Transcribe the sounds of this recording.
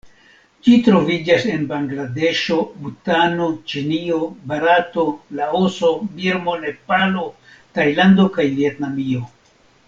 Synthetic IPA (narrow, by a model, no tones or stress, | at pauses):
d͡ʒitɾo̞vid͡ʒase̞nbaŋɡlade̞ʃo̞butanot͡ʃinio̞baɾato̞laoso̞biɾmo̞ne̞palo̞ | tajlando̞kajvie̞tnamio̞